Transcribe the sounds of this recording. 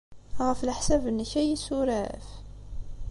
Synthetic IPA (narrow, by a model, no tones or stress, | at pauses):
ʁəflħsævənːəçæjisuɾæ̰f